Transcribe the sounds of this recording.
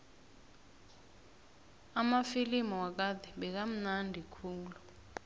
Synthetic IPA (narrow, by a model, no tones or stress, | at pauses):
amafilimɔwak̬ad̪ʱɛɓɛk̬am̩nandʱikʰuːŋlu